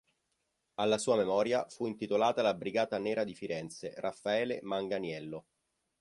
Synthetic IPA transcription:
alːasuːamemɔːɾjafuint̪it̪olaːt̪alabɾiɡaːt̪aneːɾad̪ifiɾɛnt̪serafːaɛːlemaŋɡanjɛlːo

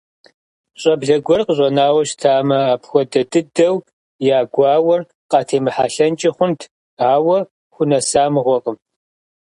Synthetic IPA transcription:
ɕʼɐbɮɐɡʷɔrqəɕʼɐnaːwɐɕtʰaːmɐaːpxʷɔdɐdɨdɐw | jaːɡʷɑːwɐr | qɑtʰeːmɨħa̰ːɬɐnt͡ʃʼɪχʷʊntʰ | aːwɐ | xʷʊnɐsaːmɨʁʷɔqʼəm

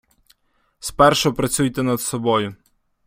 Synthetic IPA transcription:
spɛrʃɔpɾɐt͡sʲujt̪ɛnɐd̪sɔbɔjʊ

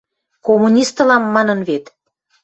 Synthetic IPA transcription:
komunʲist̪əlɑmːɑnə̆nβet̪

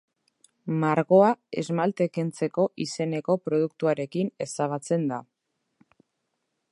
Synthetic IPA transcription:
maɾɣo̞ae̞zmalt̪e̞kent͡se̞ko̞ʔise̞ne̞ko̞pɾo̞ð̞uk̚t̪uaɾe̞kine̞saβ̞at͡se̞nd̪a̰

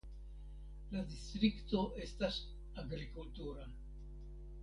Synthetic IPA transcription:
ladist̪ɾikto̞ʔe̞stas | aɡɾikultuɾa

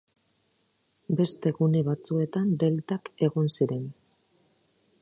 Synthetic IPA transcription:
be̞st̪e̞ɣuneβat͡sue̞t̪and̪e̞lt̪ake̞ɣonsiɾe̞n

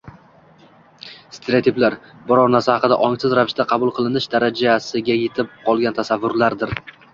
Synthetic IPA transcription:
st̪ʰeɾeat̪ʰiblaɾ | bɒɾɒɾnaɾsahɑqɨd̪a̰ʔɒŋsɪzɾavɪʃt̪aqʰɑbʊlˠqʰɨlˠɪnɪʃd̪aɾad͡ʒasɪɡʲaje̞t̪ʰɪp̚qʰɒlˠɡʲant̪ʰasavːʊɾlaɾd̪ɪɾ

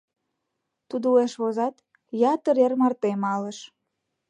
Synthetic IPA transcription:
t̪ud̪oueʃβozɑt̪ | jɑt̪əɾermɑrt̪emɑləʃ

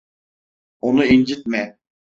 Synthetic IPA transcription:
onuind͡ʒit̪̚mɛ

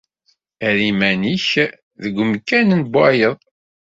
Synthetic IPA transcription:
æɾimæniç | ðəɡʷːəmkːænənbæjəðˤ

